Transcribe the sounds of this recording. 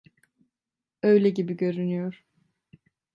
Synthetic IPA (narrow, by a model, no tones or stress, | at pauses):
ø̞jlʲɛɟibiɟø̞ɾynyjo̞ɾ̥